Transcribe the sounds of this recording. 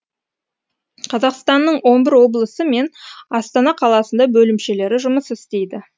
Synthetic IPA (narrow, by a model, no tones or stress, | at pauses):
qʰɑzɑqst̪ɑnːəɴwo̞nbɪɾwo̞blˠəsəme̞nɑst̪ɑnɑqʰɑlˠɑsənd̪ɑbɵlɪmʃe̞le̞ɾɪʒʊməsɪst̪e̞jd̪ɪ